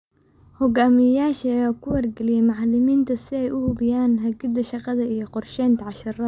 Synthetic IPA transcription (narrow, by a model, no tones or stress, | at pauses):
hɔɡaːmɪjaːʃɐjɔːkʰʊwɐrɡɛlɪjɛmɑʕɑlɪmiːnt̪ʰɐsɪɛjʔʊhʊbɪjaːnɦɐɡɪd̪ɐʃɑqɑðɐʔijɞqɔrʃɛːnt̪ʰɐʕɑʃɐɾɐ